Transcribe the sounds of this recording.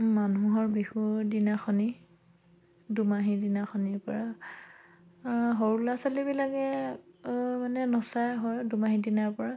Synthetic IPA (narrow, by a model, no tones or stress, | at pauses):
manuɦɔɹbihudinaxʰɔni | dumaɦidinaxɔniɹpɔɹa | ɦɔɹulasalibilaɡɛ | manɛnɔsajɦɔjdumaɦidinaɹpɔɹa